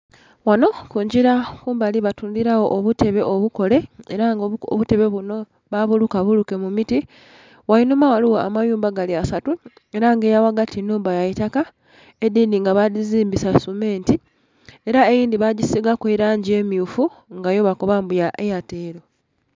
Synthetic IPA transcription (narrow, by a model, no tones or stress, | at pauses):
wano̞kuɲɟiɾakuːmbaliβatundiɾawo̞ʔːβute̞βe̞ʔoβuko̞le̞eɾaŋɡo̰βute̞βe̞βuno̞ | βaβulukaβuluke̞mumiti | wainumawaliwoa̰majuːmbaɡaliasatu | e̞ɾaŋɡe̞jawaɡatʰinuːmbajajitaka | edindiŋɡaβadiziːmbisasume̞ːnti | e̞ɾaejiːndiβaɟisiɡakweɾaːɲɟie̞miufuŋɡajo̞βakoβambujaʔejateːɾo̞